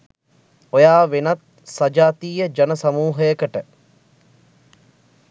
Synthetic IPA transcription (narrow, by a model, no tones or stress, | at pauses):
ojaːʋenat̪ | sad͡ʒaːt̪iːjəd͡ʒɐnəsamuːɦəjəkəʈə